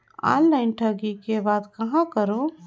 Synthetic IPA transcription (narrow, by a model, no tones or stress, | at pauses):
ã̰nlaɪnʈʰəɡikebaːd̪kəɦãkəɾo